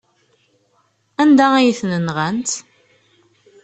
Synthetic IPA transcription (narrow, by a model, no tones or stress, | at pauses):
ænd̪æijəθnənʁənt̪